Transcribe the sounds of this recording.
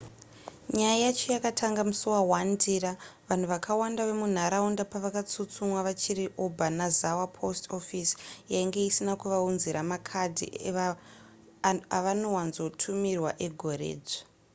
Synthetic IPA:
ɲajajat͡ʃojakatʰaŋɡamusowawandiraʋan̤uʋakʰawandaʋe̞mun̤aɾaundapaʋakat͡sut͡sumwaʋat͡ʃiɾiʔobʱanazawapʰo̞sto̞fisjaiŋɡe̞isinakuʋaunziɾamakʰadʱḭ | aʋano̞wanzo̞tʰumirwaʔeɡʱo̞rḛːd͡ze̥

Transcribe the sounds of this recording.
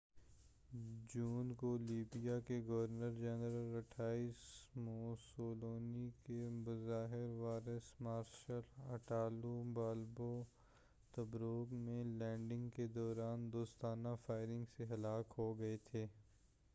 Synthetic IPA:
d͡ʒuːnkoliːbijakeɡɐʋəɾnəɾd͡ʒɛnɾəlɐʈʰaːiːsmoːsoːloːnikebɐzaːɦɪɾʋaːɾəsmaːɾʃəlɐʈaːlubaːlbo | t̪ɐbɾoːɡmẽlɛ̃ːɳɖɪ̃ŋɡked̪ɔːɾaːnd̪oːst̪aːnafaːɪɾɪ̃ŋɡseɦɐlaːkɦoɡɐet̪ʰeː

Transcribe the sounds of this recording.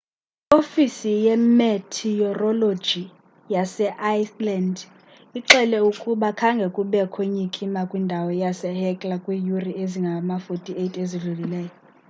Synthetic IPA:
ofisijɛmɛtʰiɔrɔlo̥d͡ʒʱi | jasɛʔajsland | iǁɛlɛukʼuɓakʰaŋɡʱɛkʼuɓɛkʰweɲikʼimakʼwindʱawɔjasɛhɛkʼlakʼwijurieziŋɡʱamafotʼietʼeziɮulilɛːjɔ

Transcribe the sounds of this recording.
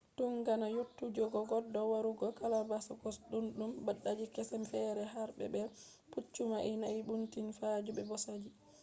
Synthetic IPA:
tuŋɡanajotːud͡ʒɔɡɔɡɔdːɔwaɾuɡɔkalabasɔɡɔsɗunɗumbaɗːad͡ʒikɛsɛmfɛːɾɛɦaɾbɛ̰bɛ | put͡ʃːumaʔɛnajbuntinfad͡ʒubɛbɔsad͡ʒi

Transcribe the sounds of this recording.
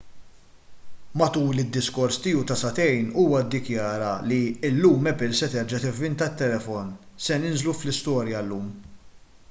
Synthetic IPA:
mɐt̪uːlɪd̪ːɪskɔɾst̪ɪːut̪ɐsɐt̪ɛjnuːwɐd̪ːɪkjɐːɾɐliɪlːuːmɛpɪlsɛt̪ɛɾd͡ʒɐt̪ɪvːɪnt̪ɐt̪ːɛlɛfɔnsɛnɪnzluflɪst̪ɔːɾjɐlːuːm

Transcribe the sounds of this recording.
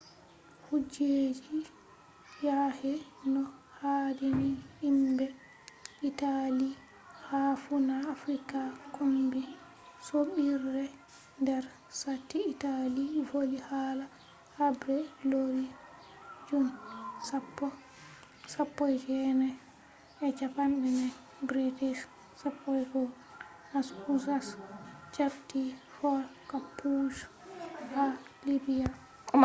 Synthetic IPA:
hud͡ʒed͡ʒi | jahɛnɔ | hadiniimbɛ | ʔitali | hafunaːfɾikakombi | soɓiɾːɛ | ndɛɾ | satːiːtalivolihaːla | habɾɛloɾi | d͡ʒumsapːɔ | sapːɔjd͡ʒɛnɛ | ɛt͡ʃapanɗɛnɛ | bɾitiʃ | sapːɔjɡɔ | nasusast͡ʃabtːi | fɔɾkapːuʃ | halibija

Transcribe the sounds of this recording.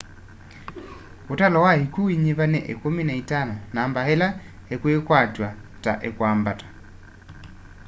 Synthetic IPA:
otalɔwahikuiɲeβanɛʔḛkominaitanɔnaːmbahela | ekwekwatwata̰ʔekwaːmbatḁ

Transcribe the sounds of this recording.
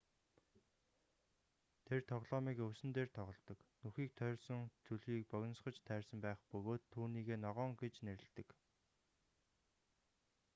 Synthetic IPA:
t̪ʰert̪ʰɔʁɮɔːmiːkɵwsɘ̆nt̪eːrt̪ʰɔʁɞ̆ɮt̪ɞ̆knuxiːk̚t̪ʰœrʲsɞ̆ŋt͡suɮɣiːk̚pœɣʲɞ̆nsχə̆t͡ɕt̪ʰæːrsə̆mpæːχpɵɣoːt̪ʰːuːniːɣeːnɔʁɔːŋɡet͡ɕneɾɘ̆ɮt̪ɘ̆k

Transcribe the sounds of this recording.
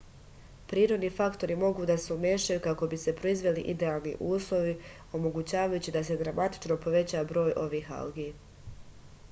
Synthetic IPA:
pɾiːɾo̞d̪nifakt̪o̞ɾimo̞ɡuːd̪asumeːʃajukako̞bise̞pɾo̞izʋe̞liʔid̪e̞aːlˠnḭʔuːslˠo̞ʋi | o̞mo̞ɡut͡ɕaːʋajut͡ɕid̪ase̞d̪ɾamat̪i̥t͡ʃno̞po̞ʋe̞t͡ɕabɾo̞ːjʔo̞ʋiːɦa̰lɡi

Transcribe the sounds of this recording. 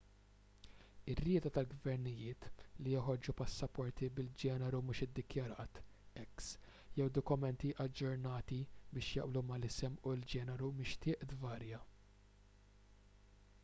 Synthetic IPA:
ɪrːɪːt̪ɐt̪ɐlɡvɛɾnɪjɪːt̪lijɔħɔɾd͡ʒupɐsːɐpɔɾt̪ibɪld͡ʒɛːnɛɾumuːʃɪd̪ːɪkjɐɾɐːt̪ | ɛks | jɛwd̪ɔkʊmɛnt̪iʔɐd͡ʒːʊɾnɐːt̪ibɪːʃjɐ̰ʔblumɐlɪsɛmuld͡ʒɛːnɛɾumɪʃt̪ɪːʔd̪vɐːɾjɐ

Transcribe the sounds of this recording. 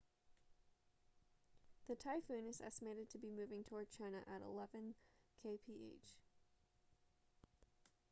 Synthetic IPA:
ðɨtʰaɪfʉ̃nɨzɛ̰stəmeɪɾɨd̚tʰɨbimʉvɪ̃ŋtʰɔɹd̚t͡ʃʰãɪ̃nɨ̰ʔəɾə̰lɛvɨ̃nkʰeɪpʰiʔḛɪt͡ʃ

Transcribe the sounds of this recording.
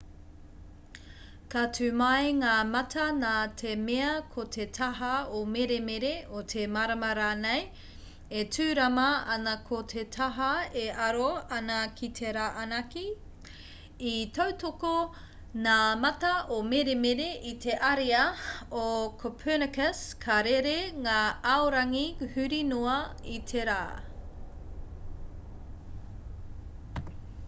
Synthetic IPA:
katʰʉːmɐjŋaːmɐtʰɐnaːtʰemeɐkʰotʰetʰɐɦɐomeɾemeɾeot̪ʰemaɾɐmɐɾaːnej | etʰʉːɾɐmɐɐnɐkʰotʰet̪ʰɐɦɐeɐɾoɐnɐkʰit̪ʰeɾaːʔɐnɐki | it̪ʰowt̪oko | naːmɐt̪ɐʔomeɾemeɾeʔit̪ʰeʔɐɾeɐokʰopʰənɐkəskʰaɾeɾeŋaːɐoɾɐŋihʉɾinuɐit̪ʰeɾa̰ː

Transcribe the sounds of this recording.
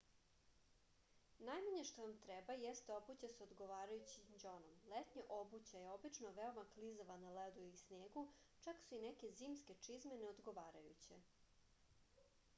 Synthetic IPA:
najmaɲeʃt̪oʋamt̪ɾɛbajest̪eo̞but͡ɕaseod̪ɡo̞ʋaːɾajut͡ɕid͡ʑonomlet̪ɲaʔo̞but͡ɕajeo̞bit͡ʂnoʋeomaklizoʋanaled̪uisneːɡu | t͡ʂaksuinɛke̞ziːmske̞t͡ʂizmeneod̪ɡo̞ʋaːɾajut͡ɕḛ

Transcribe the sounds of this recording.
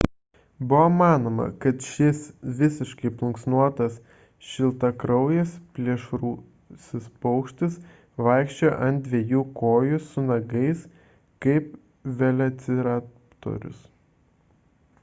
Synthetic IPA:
bʊʋɐmɑːnoːmɐ̰kɐt̪ʃʲɪsʋʲɪsʲɪʃkɐɪplˠʊŋksnuɔt̪ɐs | ʃʲɪlˠt̪ɐkɾɐʊjɛspʲlʲiɛʃɾuː | sʲɪspɔʊkʃʲt̪ʲɪs | ʋɐɪkʃʲt͡ʃʲoːjʔɐnʲd̪d̪ʲʋʲɛjuːkoːjʊsʊnɐɡɐɪs | kɐɪp | ʋʲɛlʲɛt̪sʲɪɾɑː | t̪o̰ɾʲʊ̰s

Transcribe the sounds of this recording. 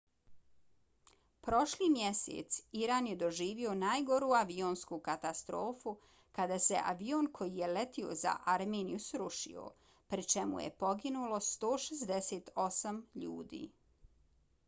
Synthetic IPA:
pɾo̞ʃliːmjesḛt̪siɾaːnjed̪o̞ʒiːʋio̞naːjɡo̞ɾuːaʋioːnskukat̪ast̪ɾo̞ːfu | kad̪ase̞̰ʔa̰ʋioːnkʰo̞jije̞let̪io̞̰za̰ʔaɾmeːnijusɾuʃḭo̰ | pɾit͡ʃemṵjḛpo̞ɡinulo̞st̪oːʃezd̪eseːt̪ʰo̞samʎṵːd̪ḭː

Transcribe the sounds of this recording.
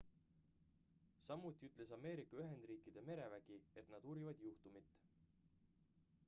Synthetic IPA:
sɑmːut̪ʲːˑiyt̪ˑle̞sɑme̞ːɾikːˑɑyɦe̞nd̪̥riːkˑid̪̥e̞me̞ɾe̞væɡ̥ie̞t̪nɑd̪̥uɾivɑd̪̥juht̪umit̪ː

